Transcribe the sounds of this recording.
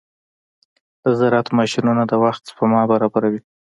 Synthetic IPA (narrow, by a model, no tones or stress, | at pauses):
d̪̥əzaɾɑt̪mɑʃinunad̪əwaxt̪spəmɑbaɾɑbaɾawi